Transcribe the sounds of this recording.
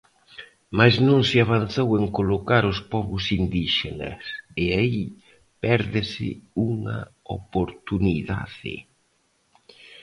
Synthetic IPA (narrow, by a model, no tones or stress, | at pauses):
majznõŋsɪaβ̞an̟θoweŋkolokaɾʊspɔβʊsind̪iʃḛnɐ̰seai | pɛɾðɪsɪ̰uŋɐ̰o̰poɾt̪uniða̰ðɪ̰